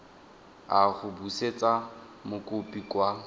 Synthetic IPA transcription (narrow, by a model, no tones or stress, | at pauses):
aχʊbuset͡sʼa | mʊkʼʊpʼikwa